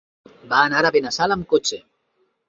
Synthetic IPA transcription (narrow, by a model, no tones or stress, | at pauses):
baːnaɾaβenasaləmkot͡ʃe